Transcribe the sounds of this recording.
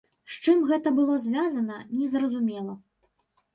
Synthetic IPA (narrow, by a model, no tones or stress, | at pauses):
ʂt͡ʂɨmɣɛt̪ɐbɨlˠɔzʲvʲazɐnɐnʲɛzrɐzumʲɛlˠɐ